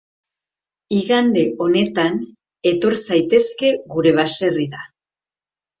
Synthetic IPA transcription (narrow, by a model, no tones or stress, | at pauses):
iɣand̪e̞ʔo̞ne̞t̪an | e̞t̪o̞ɾsajt̪e̞ske̞ɣuɾe̞β̞aʃe̞riða